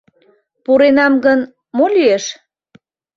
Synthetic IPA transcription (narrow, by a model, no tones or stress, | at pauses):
puɾenɑmɡən | molyeʃ